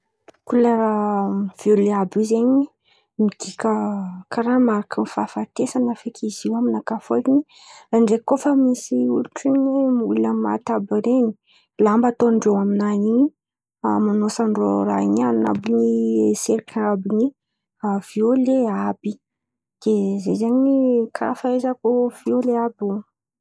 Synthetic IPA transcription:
kularav̥ioleabizeɲi | mid̪̥ikʲəkʰaɾamaɾakəmfafat̪esanəfekʰiziaminakafolini | ɳɖ͡ʐekːofəmisiuluʈ͡ʂiɲwemuləma̰t̪abiɾeni̥ | lambat̪onɳɖ͡ʐewaminanini | amanosaɳɖ͡ʐo̰ra̰inana̰binieseɾikabini | avioleabi | d̪̥ezejzaɲikʰafaezakov̥ioleabun

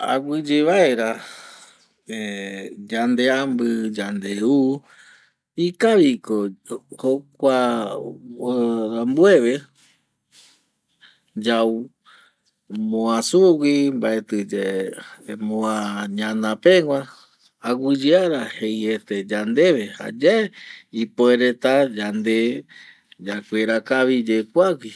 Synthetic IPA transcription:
a̰ɡʷɨd͡ʒeβaeɾa | ed͡ʒand̪e̞ambɨd͡ʒand̪eu | ikaɾikohokʷa | ɾambueβe | d͡ʒaw | mõãsuwʷimbaet̪ɨd͡ʒe | moãɲãnãpẽŋʷã | aɡɨd͡ʒɨaɾahejet̪ed͡ʒand̪e̞βeha̰d͡ʒaeipoeɾet̪ad͡ʒand̪e | d͡ʒakʷeɾakaβid͡ʒekʷaɡʷi

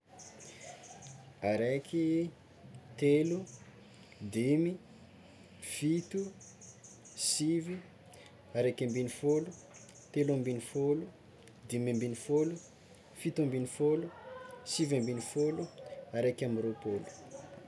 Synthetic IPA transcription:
aɾekʰi | t̪elu | d̪imi | fit̪u | sivi | aɾekʲambinifolu | t̪eluãmbinifolu | d̪imãmbinifolu | fit̪ãmbinifolusivambinifoluaɾekʲamiɾopolu̥

